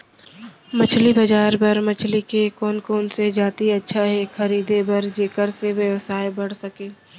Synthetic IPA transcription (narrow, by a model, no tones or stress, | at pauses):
mɐt͡ʃʰlibɐd͡ʒaːɾbɐɾmɐt͡ʃʰlikekɔːnkoːnsed͡ʒaːt̪iɐtːʃʰaɦɛxɐɾiːd̪ebɐɾd͡ʒeːkəɾseʋjəʋsaːebɐɽ̤sɐkeː